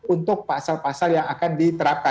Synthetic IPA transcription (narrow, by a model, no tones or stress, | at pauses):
unt̪ʊk̚pasalpasaljaŋakandit̪əɾap̚ka